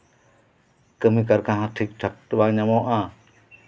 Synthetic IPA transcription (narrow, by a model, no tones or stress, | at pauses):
kəmikaɾkãɦat̪ʰik̚tʰak̚təbaɲamoʔa